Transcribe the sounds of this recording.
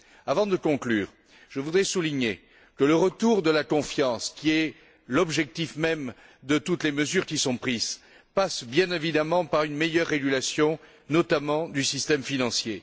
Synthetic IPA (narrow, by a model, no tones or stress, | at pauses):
avɑ̃d̪əkɔ̃klyːʁ | ʒ̥əvud̪ʁɛsuliɲe | kələʁət̪uʁd̪əlakɔ̃fjɑ̃skʲiɛ | lɔbʒɛk̚t̪ifmɛm | d̪ət̪ut̪leməzyʁkʲisɔ̃pχiz | pasbjɛ̃nevid̪amɑ̃paʁynmejœʁːeɡʲylasjɔ̃ | nɔt̪amɑ̃d̪ysist̪ɛmfinɑ̃sje